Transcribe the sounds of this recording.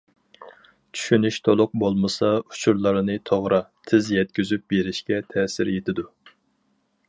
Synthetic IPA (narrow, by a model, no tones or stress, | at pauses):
t͡ʃʰy̥ʃynyʃt̪ʰolˠʊq̚bolˠmɨsɑu̥t͡ʃʰuɾlˠɨɾɨnɨt̪ʰoʁɾɑt̪ʰɪzjɛt̪̚kʲyzyp̚beɾɪʃkʲɛt̪ʰɛːsɪɾjet̪ʰɪd̪u